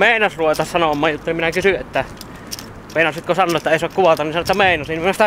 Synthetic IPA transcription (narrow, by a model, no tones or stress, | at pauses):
meˑinɑsruʋet̪ɑssɑnomˑɑːjjut̪ːoniminækysyʔet̪ːæ | meˑinɑssit̪kosɑnoʔet̪ːæeˑisoɑkkuʋɑlt̪ɑnisɑnoˑet̪ːæmeˑinɑsinːmnæst̪æ